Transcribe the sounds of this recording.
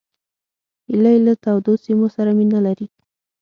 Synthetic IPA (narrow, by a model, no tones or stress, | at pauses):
ilajlat̪awd̪osimosaɾaminalaɾi